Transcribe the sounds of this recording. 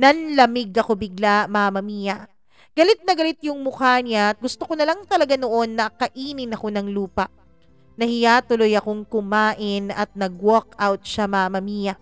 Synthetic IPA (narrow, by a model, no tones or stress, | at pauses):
nɐnlɐmɪɡɐko̞bɪɡlamamɐmiːjɐ | ɡ̥ɐlɪt̪̚nɐɡɐlɪt̪̚jʊŋmʊkanaʔɐt̪̚ɡʊst̪okonɐlɐŋt̪ɐlɐɡanoʔo̞nːɐkɐʔiːnɪnɐko̞nɐŋluːpɐʔ | nɐhɪjat̪ʊlojɐko̞ŋkʊmaːʔɪnɐt̪̚nɐɡwokawt̪̚ʃamamɐmiːjɐ